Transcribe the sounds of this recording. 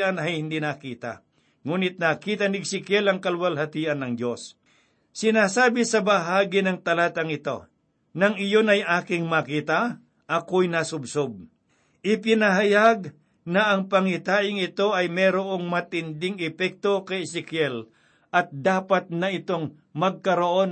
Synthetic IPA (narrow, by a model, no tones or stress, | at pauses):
ʔanɐjhɪnd̪inakiːt̪a̰ | ŋuːnɪt̪̚nɐkiːt̪ɐnɪɡsɪkɛlɐŋkɐlwɐlhɐt̪iːʔɐnːɐŋd̪jo̞s | sɪnaːsaːbɪsɐbɐɦaːɡɪnɐŋt̪ɐlaːt̪ɐŋɪt̪o̞̰ | nɐŋɪjonɐjʔaːkɪŋmakiːt̪ɐ | ʔɐkojnasʊbsob̚ | ʔɪpɪnɐɦɐjaɡ̚ | nɐʔɐŋpɐŋɪt̪aːʔɪŋɪt̪o̞ɐjmɛːɾoʔo̞ŋmɐt̪ɪnd̪ɪŋɛpɛk̚t̪o̞kɐjsɪkjɛl | ʔɐt̪̚d̪aːpɐt̪̚nɐɪt̪o̞ŋ | mɐɡ̚kɐɾoʔo̞n